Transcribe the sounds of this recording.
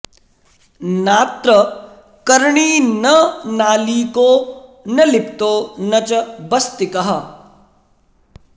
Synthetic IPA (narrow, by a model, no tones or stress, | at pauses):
naːt̪ɾə | kɐɾɳiːnɐnaːlikoːnɐlɪpt̪oːnɐt͡ʃəbɐst̪ɪkɐɦa